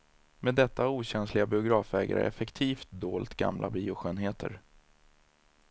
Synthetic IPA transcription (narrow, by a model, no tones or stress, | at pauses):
meːd̪ːɛt̪ːauːɕɛnslɪɡabɪʊɡɾɑːfɛːɡa̰ɾə̰ɾɛfɛkt̪ʰiːft̪̚d̪oːlt̪ɡa̰mlʔa̰biːʊɧøːnɦeːt̪ʰə̰ɾ